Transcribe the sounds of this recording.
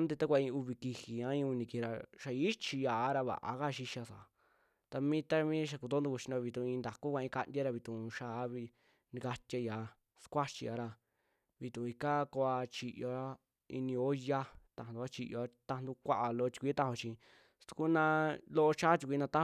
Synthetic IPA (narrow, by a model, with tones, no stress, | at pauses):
nd̪e˧t̪a˦kʷa˧ĩ˧u˧βi˧ki˧hi˨ã˦ĩ˧u˧nĩ˧ki˧˨˧ɾa˧ʃa˧i˦t͡ʃi˧ja˨˦ɾa˧βa̰˨ʔa̰˨˦ka˦˧ʃi˧ʃa˧sa̰˨˦ | t̪a˧mĩ˦t̪a˦mĩ˦ʃ̬a˧ku˧t̪o˦nd̪u˧ku˧t͡ʃi˧no˧βi˧t̪ũ˧ĩ˧nd̪a˨ku˦kʷa˧ĩ˧ka˧ndʲa˦ɾa˧βi˧t̪ũ˨˧ʃa˦˧˦βi˧ | nĩ˧ka˧tʲja˧ja˨˧ | skʷa˦t͡ʃi˧a˧ɾa˧ | βi˧t̪ũ˨˧i˧ka˦ko˧a˧t͡ʃi˧ʔjo˨ɾa˦ | ḭ˧nĩ˧o˦ja˧t̪ã˧˨n˨d̪u˧a˦t͡ʃi˧jo˨a˦t̪a˧n˧d̪u˧kʷa˦ʔa˧˨lo˧o˧t̪i̥˧kʷi˧˦t̪a˦ho˧t͡ʃĩ˧ | st̪u̥˧ku˦nã˧lo˦ʔo˧t͡ʃa˦t̪ʲi˧kʷi˧nã˧t̪a˦